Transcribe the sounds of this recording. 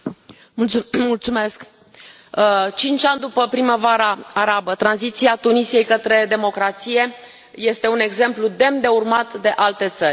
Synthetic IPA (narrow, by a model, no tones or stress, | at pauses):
mult̪sume̞sk | ət͡ʃint͡ʃʲand̪upəpɾiməvaɾaːɾabət̪ɾanzit̪siat̪unisije̞jkət̪ɾe̞d̪e̞mo̞kɾat̪sije̞ | je̞st̪e̞une̞ɡze̞mplud̪e̞md̪e̞urmat̪d̪e̞ʔalt̪e̞t̪sərʲ